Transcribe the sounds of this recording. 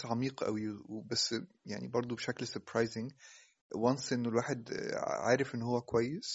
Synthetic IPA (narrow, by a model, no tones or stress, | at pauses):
ʕɑmiːqʔæ̰wiwbæsː | ja̰ʕnḭbɑɾˤd̪ˤobeʃæklseɾpɾɑjzɪŋ | wɑnsʔenːolwaːħed̪ʕa̰ːɾefʔenːhowːækowæjːes